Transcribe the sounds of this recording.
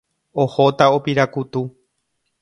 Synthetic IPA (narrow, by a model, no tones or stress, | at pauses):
ohot̪aopiɾakut̪u